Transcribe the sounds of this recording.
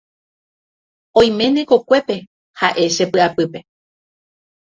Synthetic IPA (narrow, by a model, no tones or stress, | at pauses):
õj̃mẽ̞nẽko̞kʷe̞pe̞ | haʔe̞ʃe̞pɨapɨpe̞